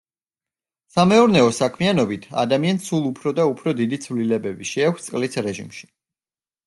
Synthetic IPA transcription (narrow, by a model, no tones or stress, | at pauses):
samɛɔɾnɛɔsakʰmianɔbit̪ʰa̰d̪amiansulˠupʰɾɔd̪aupʰɾɔd̪id̪it̪sʰvlilɛbɛbiʃɛakʰst̪sʼqʼlisɾɛʒḭmʃi̥